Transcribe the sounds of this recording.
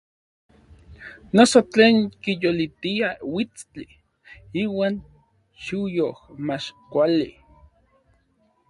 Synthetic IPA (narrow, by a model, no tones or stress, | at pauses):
nosot͡ɬeːŋkijolit̪iawit͡st͡ɬi | iːwaːn | ʃujohmat͡ʃkʷalḭ